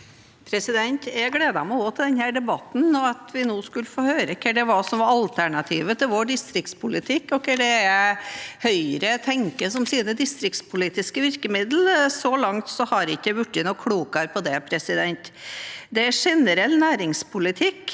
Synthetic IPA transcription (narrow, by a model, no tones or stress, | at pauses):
pʰɾɛsɪd̪ɛnt̪ɛɡɽeːd̪ɑmɛɔɡoːt̪ʰɪld̪ɛnhæːɖɛbɑt̪n̩ɔɑt̪ʰʋɪnuːskʉləfoːhøːɾəkʰːəɖɛʋɑsɔmʋɑɑlt̪ʰæɳɑt̪ʰiːʋət̪ʰɪlʋoːɖɪst̪ɾɪk̚t̪spʰʊlɪt̪ʰɪkːɔkəɖɛ | hœʏɾət̪ʰɛŋkəsɔmsiːnəd̪ɪst̪ɾɪk̚t̪spʰʊliːt̪ɪskəʋɪɾkəmɪd̪l̩sɔlɑŋt̪sɔhɑɾɪçːəʋʉʈːɪnɔkʰɽuːkɑɾpʰɔd̪ɛpʰɾɛsɪd̪ɛnt̪d̪ɛæʂɛnəɾɛlːnæːɾɪŋspʰʊlɪt̪ʰɪkː